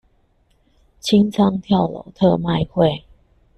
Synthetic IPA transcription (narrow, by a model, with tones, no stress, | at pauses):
t͡ɕʰi˦ŋt͡sʰɑ˦ŋt̪ʰjɑ˥˨ʊlo̰˨˩˦t̪ʰɤ˥˧ma˥˧ɪxwe˥˨˩ɪ